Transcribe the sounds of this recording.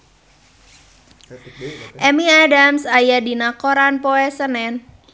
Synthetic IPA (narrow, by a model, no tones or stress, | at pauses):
ʔɛmiadamsajadinakoɾanpoɛsənɛn